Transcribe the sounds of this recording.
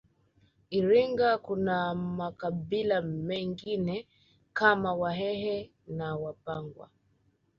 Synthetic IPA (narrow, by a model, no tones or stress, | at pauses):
iɾiŋɡakunamakaɓilamɛŋɡinɛ | kamawaɦɛɦɛ | nawapaŋɡwa̰